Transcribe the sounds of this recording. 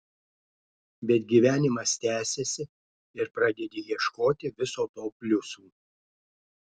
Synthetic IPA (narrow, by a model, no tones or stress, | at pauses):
bʲɛt̪ɡʲiːʋʲæːnʲɪmɐst̪ʲæːsʲesʲɪ | ɪɾpɾɑd̪ʲɛd̪ʲeːjiɛʃkoːt̪ʲɪʋʲɪsoːt̪oːpʲlʲʊsuː